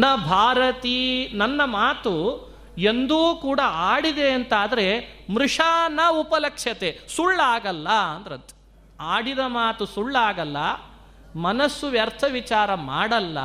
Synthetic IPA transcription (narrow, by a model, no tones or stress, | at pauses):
nɐbʱaːɾɐt̪inɐnːɐmaːt̪u | end̪uːkuːɽɐaːɽid̪e̞ɐnt̪aːd̪ɐɾe̞mɾuʂaːnɐupɐlɐkʂjɐt̪esuɭːaːɡɐlːɐɐnd̪ɐɾɐnt̪e̥ | aːɽid̪ɐmaːt̪usuɭːaːɡɐlːɐ | mɐnɐsːuʋjɐɾt̪ʰɐʋit͡ʃaːɾɐmaːɽɐlːɐ̰